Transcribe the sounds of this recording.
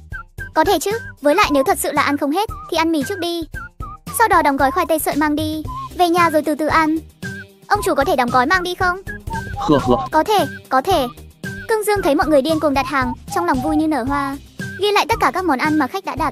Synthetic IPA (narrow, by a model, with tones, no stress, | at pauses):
kɔ˨˦t̪ʰe˧˩t͡ɕɨ˨˦˥vəː˨˦jla̰ː˧˨jne˨˦wt̪ʰə˨˩t̚sɨ̰˧˨laː˨˩ʔa˧nxə˧wŋ͡mɦe˦˥t̚t̪ʰi˨˩ʔa˧nmi˨˩t͡ɕɨ˦˥k̚ɗi˧ | sa˧wɗɔ˨˦ɗɔ˨˦wŋ͡mɣɔ˨˦jxwaː˧jt̪ə˧jsə̰ː˧˨maː˧ŋɗi˧ve˨˩ɲaː˨˩zo˨˩jt̪ɨ˨˩t̪ɨ˨˩ʔa˧n | ʔə˧wŋ͡mt͡ɕu˧˩kɔ˨˦t̪ʰe˧˩ɗa˨˦wŋ͡mɣɔ˨˦jmaː˧ŋɗi˧xə˧wŋ͡mɨ˨˩˨kɔ˨˦t̪ʰe˧˩kɔ˨˦t̪ʰe˧˩kɨ˧əŋzɨ˧əŋt̪ʰə˨˦jmɔ̰˧˨tjŋɨ˨˩əjɗi˧ənku˨˩əŋ̚ɗaː˨˩t̚haː˨˩ŋt͡ɕɔ˧wlɔ˨˩wŋ͡mvu˧jɲɨ˧nəː˧˩ɦwaː˧ | vi˧la̰ː˧˨jt̪ə˦˥t̚kaː˧˩kaː˦˥k̚mɔ˨˦nʔa˧nmaː˨˩xa˦˥k̟̚ɗa̰ː˧˥ɗaː˨˩t̚